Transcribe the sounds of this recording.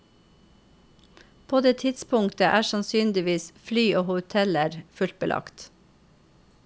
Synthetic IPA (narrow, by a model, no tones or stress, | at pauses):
pʰoːd̪eːt̪ʰɪt̪spʰʊŋt̪əʔæːʃɑnsyːnd̪ɪʋiːsflyːʔoːhʊt̪ʰɛləɾfʉlt̪̚bəlʔɑ̰kt̪